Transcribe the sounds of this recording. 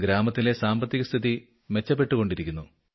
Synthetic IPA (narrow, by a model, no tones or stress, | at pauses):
ɡɾaːmɐt̪ːile̞saːmbɐt̪ːiɣɐst̪ʰiði | me̞t͡ɕːɐp̬ːe̞ʈːuɣo̞ɳɖiɾikʲːunːu